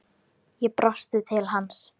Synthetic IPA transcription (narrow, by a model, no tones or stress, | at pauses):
jɛpɾʔɔst̪ɪt̪ʰɪlɦans